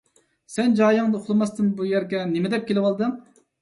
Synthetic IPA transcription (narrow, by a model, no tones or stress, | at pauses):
sɛnd͡ʒɑːjɨŋd̪ɨqʰʊlˠɨmɑst̪ɨnbujɛɾɡʲɛnemɪd̪ɛp̚kʲʰelɪwɑlˠd̪ɨŋ